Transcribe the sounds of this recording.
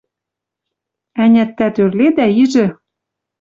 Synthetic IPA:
ænʲæt̪ːæt̪ørled̪æiʒɘ̆

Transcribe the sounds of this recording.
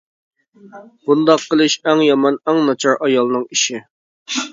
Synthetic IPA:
b̥und̪ɑqʰːəlˠɨʃɛŋjɑmɑnæŋnɑt͡ʃʰɑɾʔɑjɑlˠnɨŋiʃi

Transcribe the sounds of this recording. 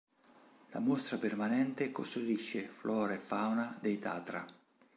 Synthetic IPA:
la̰most̪ɾapermanɛnt̪eko̰st̪ud̪iʃːeflʔɔːɾaɛfawnad̪ejt̪a̰ːt̪ɾa̰

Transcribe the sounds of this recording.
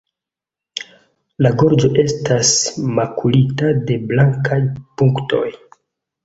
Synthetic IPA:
laɡo̞ɾd͡ʒo̞ʔe̞stasmakʰulitade̞blaŋkajpuŋkto̞̰j

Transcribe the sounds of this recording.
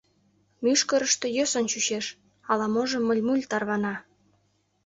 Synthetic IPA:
myʃkə̆ɾə̆ʃt̪ĕjøsənt͡ɕyɕeʃ | ɑlɑmoʒɤ̆mːə̆lʲmulʲt̪ɑrβɑnɑ

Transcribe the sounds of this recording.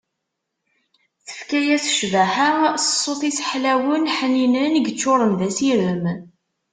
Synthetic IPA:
θə̥fkæjæsə̥ʃvæħəsə̥sˤːoθˤisəħlæwənħəninənəɡt͡ʃːoɾˤənðæsiɾəm

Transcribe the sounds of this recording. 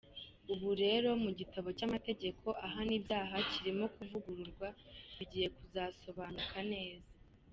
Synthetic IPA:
uβuɾe̞ːɾo̞muɟitaβo̞camate̞ɟe̞kʰo̞ʔaɦaniːbjaːɦaciɾimo̞kuvuɡuɾuɾɡwaβiɟiːje̞kuzaːso̞βanukane̞ːza

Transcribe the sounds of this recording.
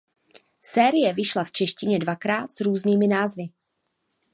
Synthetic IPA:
sɛːɾɪjɛvɪʃlaft͡ʃɛʃcɪɲɛdvakɾaːt̪sɾuːzniːmɪnaːzvɪ

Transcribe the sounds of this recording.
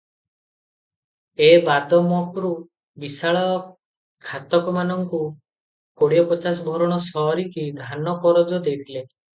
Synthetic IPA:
ebad̪ʱɔmɔkɾu | bisaɭɔ | kʰat̪ɔkɔmanɔŋku | koɽijɔpɔt͡ʃas̬ɔbʱɔɾɔɽ̃ɔsɔɾikid̪ʱanɔkɔɾɔd͡ʒɔd̪ejt̪ʰile

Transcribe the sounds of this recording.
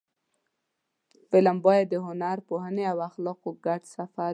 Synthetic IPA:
fɪlambɑjad̪ːəɦʊnaɾpohəneawaxlɑqoɡaʈsafa

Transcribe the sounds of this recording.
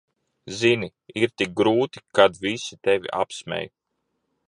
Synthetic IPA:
zini | iɾt̪ik̚ɡɾuːt̪i̥kad̪visit̪evʲḭʔa̰psmɛ̰j

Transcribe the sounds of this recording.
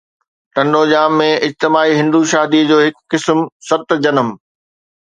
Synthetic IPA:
ʈɐ̃ɳɖoːʄaːmːẽɪd͡ʑt̪ɪmaːiɦɪ̃nd̪uʃaːd̪id͡ʑoːɦɪkːɪsmsɐt̪d͡ʑɐnəm

